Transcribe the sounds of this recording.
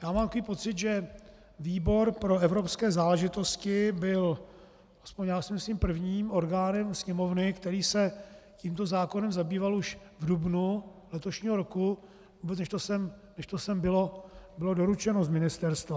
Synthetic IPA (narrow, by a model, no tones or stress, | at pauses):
jaːmaːmt̪akoviːpo̞t͡sɪd̪ʒɛ | viːbo̞ɾpɾo̞ɛvɾo̞pskɛːzaːlɛʒɪt̪o̞scɪbɪl | aspoɲjaːsɪmɪslimpr̩vɲiːmo̞ɾɡaːnɛmsɲɛmo̞vnɪkt̪ɛɾiːsɛciːmt̪o̞zaːko̞nɛmzabiːvaluʃ | vdubnulɛt̪oʃɲiːɦo̞ɾo̞ku | vuːbɛt͡snɛʃt̪osɛmnɛʃt̪osɛmbɪlo̞bɪlo̞do̞ɾut͡ʃɛnozmɪnɪst̪ɛɾst̪va